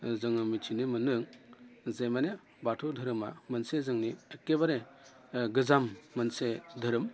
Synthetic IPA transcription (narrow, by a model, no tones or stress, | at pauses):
zɯŋɯmitʰinimɯnɯŋzejmane | batʰudʱɯɾɯma̰mɐnsezɯŋniekːebaɾe | ɡɯzamːɐnsedʱɯɾɯm